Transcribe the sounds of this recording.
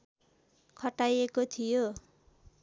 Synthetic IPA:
kʰʌʈajekot̪ʰijo

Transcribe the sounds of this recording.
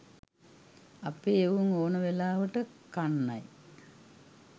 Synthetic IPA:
ɐpːeeʋuŋoːɳɐʋelaːʋɐʈːɨkɐɳːɐ̰j

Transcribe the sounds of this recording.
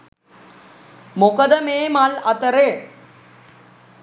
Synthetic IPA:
mokəd̪əmeːmalɐt̪əɾeː

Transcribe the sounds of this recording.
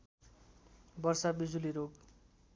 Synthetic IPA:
bʌrsabid͡zuliɾoɡ

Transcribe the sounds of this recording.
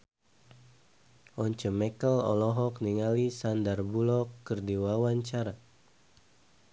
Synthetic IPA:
ʔɔɲt͡ʃəmɛkəlɔ̰lɔɦɔkniŋalisandarbulɔkːərdiwawaɲt͡ʃaɾa

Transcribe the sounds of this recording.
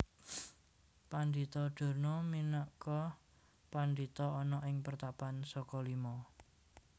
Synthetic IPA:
pand̪it̪ɔɖ̥o̤rnɔminəʔkɔ | pand̪it̪ɔɔnɔʔɪŋpərt̪apansɔkɔlimɔ

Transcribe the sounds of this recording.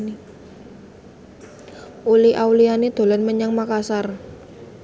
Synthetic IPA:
ni | ʔuliʔawlianid̪̥o̤lɔnməɲaŋmakasar

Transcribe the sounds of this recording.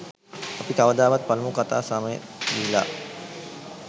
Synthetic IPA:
ɐpikɐʋəd̪aːʋɐt̪̚pɐlmukɐt̪a̰ːsɐməjəd̪ila̰ː

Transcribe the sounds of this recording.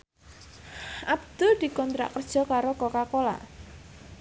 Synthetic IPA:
ʔabd̪̥ʊld̪̥i̤kɔnt̪ɾa̰ʔkərd̥ʒ̥ɔ̤kaɾokɔkakola̰ʔ

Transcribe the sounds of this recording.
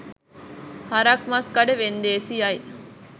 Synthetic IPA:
hɐɾɐkmɐskɐɖeʋend̪eːsiɐj

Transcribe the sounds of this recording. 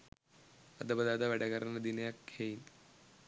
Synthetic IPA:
ɐd̪ɐbɐd̪aːd̪ɐʋɐɽɐɣɐɾɐnɐd̪inɐjakʰejn

